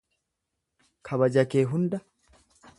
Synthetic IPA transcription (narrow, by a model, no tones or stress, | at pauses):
kʰɐβɐd͡ʒɐkeːɦʊnd̪ɐ